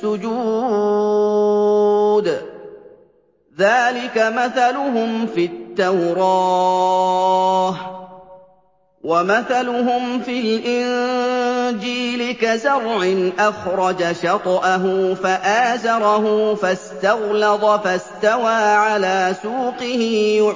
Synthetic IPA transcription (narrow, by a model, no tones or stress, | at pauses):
ʊd͡ʒuː | d̪ | ðaːlɪkamaθalʊɦʊmfit̪ːawɾˤɑː | h | wamaθalʊɦʊmfɪlʔɪn | d͡ʒiːlɪkazɑɾˤʕɪnʔaxɾˤɑd͡ʒaʃɑt̪ˤʔaɦʊfaʔaːzɑɾˤɑɦʊfast̪ɑɣlɑðˤfast̪awaːʕalaːsuːqɪhɪː